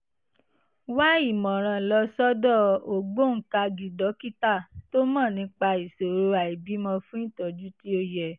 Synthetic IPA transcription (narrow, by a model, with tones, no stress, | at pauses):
wa˦i˦˨mɔ̃˨ɾ̃ã˧lɔ˧sɔ˦dɔ˦˨o˨ɡ͡bo˦ŋ̩˨˦ka˧ɡi˨dɔ˨˦ki˦ta˦˨to˦mɔ̃˦˨nĩ˧˦k͡pa˧i˨so˨ɾo˧˦a˨i˨bi˨˦mɔ̃˧fũ˦ĩ˦˨tɔ˨d͡ʒu˦ti˦o˧jɛ˨